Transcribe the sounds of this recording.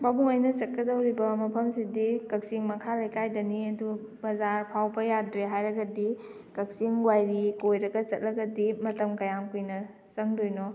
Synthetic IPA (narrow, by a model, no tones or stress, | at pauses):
babuŋojnɐt͡ʃɐt̚kɐdɐwɾibɐmɐpʰɐmsidikɐk̚siŋmɐkʰalɐjkajdɐniɐdu | bɐzaɾpʰawbɐjadɾeɦajɾɐɡɐdi | kɐk̚siŋɡwajɾikojɾɐɡɐt͡ʃɐt̚lɐɡɐdimɐtɐmkɐjamkujnɐ | sɐŋdojnɔ